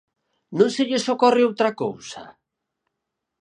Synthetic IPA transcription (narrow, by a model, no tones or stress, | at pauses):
nũnseʎɪsokɔrɪowt̪ɾako̰wsa̰